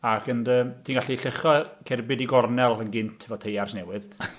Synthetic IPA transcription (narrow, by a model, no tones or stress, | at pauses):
akʰəndəːmtʰiːnɡaɬiɬɪχɔkʰɛrbɪdiɡɔrnɛlˠənɡɪnttʰɛvɔtʰejarsnɛwɨð